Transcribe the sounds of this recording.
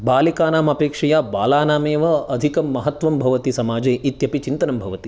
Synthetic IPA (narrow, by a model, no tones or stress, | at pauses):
baːlikaːnaːmɐpeːkʂɐjaːbaːlaːnaːmeːʋɐɐd̪ʱikɐmːɐɦɐt̪ʋɐmbʱɐʋɐt̪isɐmaːd͡ʒeːʔit̪jɐpit͡ʃint̪ɐnɐmbʱɐʋɐt̪i